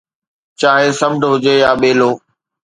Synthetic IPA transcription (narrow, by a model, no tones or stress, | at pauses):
t͡ɕaːɦẽsəmʈɦʊd͡ʑeːjaːɓeːloː